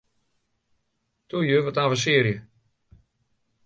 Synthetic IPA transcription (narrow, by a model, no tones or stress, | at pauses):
tʰujøvɔtaːvəs̬ɪəɾjə